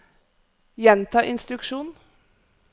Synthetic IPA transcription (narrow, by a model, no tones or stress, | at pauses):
jɛnt̪ʰɑːʔɪnst̪ɾʉkʂuːn